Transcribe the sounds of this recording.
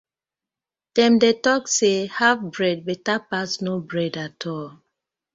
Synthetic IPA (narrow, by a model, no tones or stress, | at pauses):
d̥ɛ̃mdetɔksehavbɹɛd̚bɛtapasnobɹɛdatʰɔl